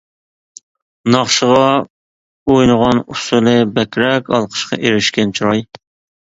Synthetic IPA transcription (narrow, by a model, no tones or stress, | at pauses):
nɑχʃəʁɑ | ojnəʁɑnusulˠɨbɛkʲɾɛkʲɑ̰lˠqʰə̥ʃqɑ̰ʔeɾɪʃkʲɛnt͡ʃʰuɾɑj